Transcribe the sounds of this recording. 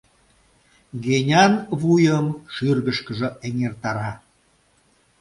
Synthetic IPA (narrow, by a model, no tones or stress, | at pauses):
ɣenʲɑnβujəmʃyrɣəʃkəʒəeŋert̪ɑɾɑ